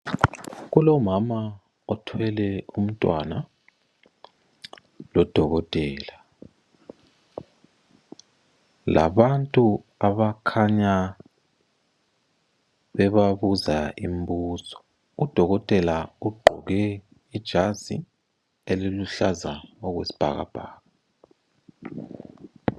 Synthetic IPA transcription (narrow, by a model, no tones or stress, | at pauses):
ɣulɔmama | ɔtʰwɛlɛum̩tʼwa̰na | lɔd̥ʱɔɣɔtʼɛːla | la̰βantʼu | aβakʰaɲa | βɛβaβuzaim̩buːsɔ̥ | ud̥ʱɔɣɔtʼɛlauɡ͡ǃʱɔɣɛ | id̥ʒ̥ʱazḭ | eliluɬazaɔɣwesi̥b̥ʱa̰ɣa̰b̥ʱaːɣa